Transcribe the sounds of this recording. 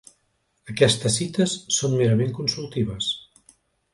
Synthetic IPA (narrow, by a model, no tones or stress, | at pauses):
əkɛst̪əsit̪əsːonmeɾəmeŋkunsulˠt̪iβəs